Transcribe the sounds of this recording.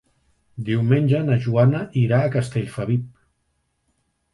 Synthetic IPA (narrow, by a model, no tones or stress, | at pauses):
d̪iwmenʲʒənəʒuanəʔiɾaːkəst̪eʎfəβip̚